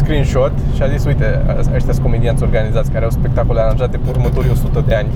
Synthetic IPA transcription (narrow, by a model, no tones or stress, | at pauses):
skɾinʃot̪ | ʃiazisujt̪eaet̪jasʲko̞med̪iant̪ʲo̞rɡanizat̪sʲkaɾeawspe̞k̚t̪akoleaɾanʒat̪̚d̪epurmət̪oɾʲo̞sut̪əd̪e̞anʲ